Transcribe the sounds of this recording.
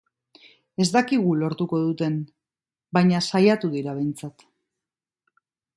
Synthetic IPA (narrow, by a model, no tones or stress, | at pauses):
e̞zd̪akiɣulo̞ɾt̪uko̞ð̞ut̪e̞n | bajɲasajat̪uðiɾaβ̞e̞jnt͡sat̪